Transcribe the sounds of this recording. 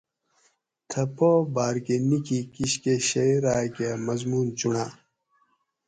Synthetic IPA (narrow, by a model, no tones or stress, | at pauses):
t̪ʰɐpobaːɾkenikikiɕkeɕɐjɾaːkemɐzmuːnt͡ɕuɳaː